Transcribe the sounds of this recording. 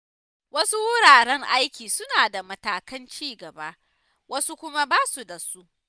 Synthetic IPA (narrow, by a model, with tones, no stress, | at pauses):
wɐ˦su˦wʊ˦ɽaː˨ɽɛ˦ŋʔa˦jkʲiː˨sʊ˦naː˨da˨mɐ˦taː˨kɐ˦nt͡ʃiː˦˨ɡɐ˨ba˦ | wɐ˦su˦kʷʊ˦ma˦baː˦su˨da˨su˦ʔ